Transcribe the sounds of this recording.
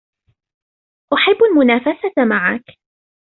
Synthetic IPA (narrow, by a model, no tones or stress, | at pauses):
ʔʊħabːalmʊnaːfasat̪maʕak